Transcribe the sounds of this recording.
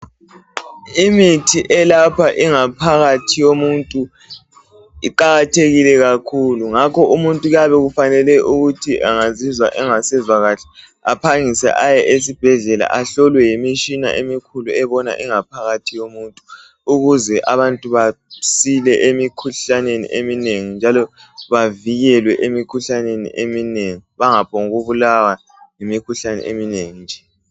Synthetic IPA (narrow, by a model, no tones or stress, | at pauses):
imitʰiʔɛlapʰaʔiŋapʰaɣatʰijomuntʼu | iǃaɣatʰeɣilɛɣakʰuluŋakʰɔʔumuntʼuɣaβɛɣufanɛlɛʔuɣutʰiʔaŋazizwaʔɛŋasɛzwaɣaɬɛ̥ | a̰pʰaŋisɛ̰ʔajɛʔesib̥ʱɛɮɛla̰ʔaɬɔlwɛjimit͡ʃʼina̰ʔemikʰuluɛβɔna̰ʔiŋapʰaɣatʰijomuntʼu | uɣuzɛʔaβantʼuβasilɛʔemikʰuɬanenḭʔemineŋind͡ʒʱalɔ | βaviɣɛlwɛʔemikʰuɬanenḭʔemineŋiβaŋapʰɔŋuɣuβulawa | ŋemikʰuɬanɛ̰ʔemineŋind͡ʒʱɛ